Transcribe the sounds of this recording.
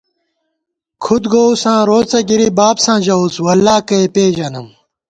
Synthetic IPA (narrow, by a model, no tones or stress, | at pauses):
kʰud̪ɡoːusãːɾoːt͡sɐɡiɾibaːbsãːʑɐuswɐlːaːkɐepeːd͡ʑɐnɐm